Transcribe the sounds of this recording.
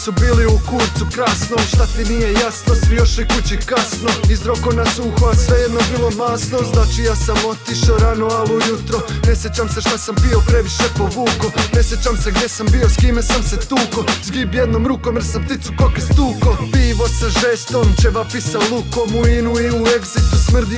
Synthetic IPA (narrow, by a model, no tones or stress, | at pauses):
subiːliukuɾt̪sukɾaːsnomʃt̪at̪inijejasnosijo̞ʃikut͡ɕikasno̞izɾokomnasuːxoasʋe̞jed̪nobilˠo̞maːsno̞znaːt͡ʃijaːsamo̞t̪iʃoɾanoalujut̪ɾo̞ | ne̞sje̞t͡ɕamseʃt̪asampio̞pɾe̞ʋiʃepo̞ʋuːkone̞sjet͡ɕamseɡd̪je̞sambio̞skiːmesamset̪uːko̞zɡibjed̪nomɾuːkomjesampt̪it̪sukokest̪uːko̞piːʋo̞saʒeːst̪omt͡ʃebapisaolˠukomuinuiue̞ɡzit̪usmr̩d̪